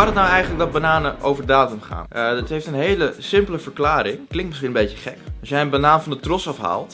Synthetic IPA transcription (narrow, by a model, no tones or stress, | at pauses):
arətnawɛjχənlək̚dɔt̚banaːnəʔowvəɹdaːtəmχa̰ːnətɦejftənɦejləsɪmpləvəɹklaːɾɪŋklɪŋtmɪsχinənbejtəχɛkɔsjɛjənbanaːnfɑndətrɔsɑfɦa̰ːlˠt